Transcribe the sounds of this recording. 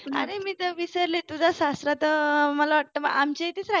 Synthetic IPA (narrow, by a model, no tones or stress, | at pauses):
a̰ɾemiːt̪əʋisəɾlet̪ud͡zʱasast̪ɾat̪əməlaʋaʈ̚t̪əma̰amt͡ɕeit̪iːt͡sɾa